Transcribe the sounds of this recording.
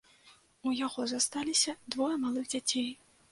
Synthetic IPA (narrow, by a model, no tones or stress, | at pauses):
ujaɣɔzast̪alʲisʲɐd̪vɔjɐmalˠɨɣd͡zʲat͡sʲej